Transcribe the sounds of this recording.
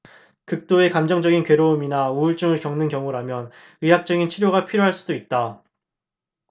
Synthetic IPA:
kɯk̚t͈oe̞kamd͡ʑʌŋd͡ʑʌɡinkwe̞ɾoːminauɯɭt͡ɕ͈uŋɯɭkjʌŋnɯnkjʌŋuɾamjʌn | ɯɦak̚t͡ɕ͈ʌɡint͡ɕʰiɾjoɣapʰiɾjoɦaɭs͈udoit̚t͈a

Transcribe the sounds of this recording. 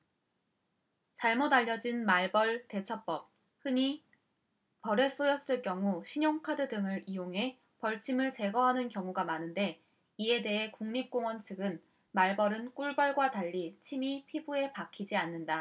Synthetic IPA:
t͡ɕaɭmodaʎːʌd͡ʑinmaɭbʌɭte̞t͡ɕʰʌp͈ʌp̚ | hɯɲi | pʌɾe̞s͈ojʌs͈ɯɭk͈jʌŋuɕʰiɲoŋkʰadɯdɯŋɯɾijoŋɦe̞ | pʌɭt͡ɕʰimɯɭt͡ɕe̞ɡʌɦanɯnkjʌŋuɡamanɯnde̞ | ie̞de̞ɦe̞kuŋɲip̚k͈oŋwʌnt͡ɕʰɯɡɯn | maɭbʌɾɯnk͈uɭbaɭɡwataʎːit͡ɕʰimipʰibue̞pakʰid͡ʑianːɯnda

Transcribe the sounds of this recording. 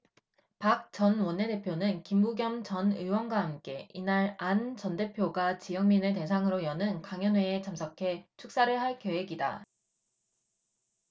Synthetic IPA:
pak̚t͡ɕ͈ʌnwʌnːe̞de̞pʰjonɯnkimbuɡjʌmt͡ɕʌnɯwʌnɡwaɦamk͈e̞inaɾant͡ɕʌnde̞pʰjoɡat͡ɕijʌŋminɯte̞sʰaŋɯɾojʌnɯnkaŋjʌnwe̞et͡ɕʰamsʰʌkʰe̞t͡ɕʰuk̚s͈aɾɯɭɦaɭkjowe̞ɡida̰

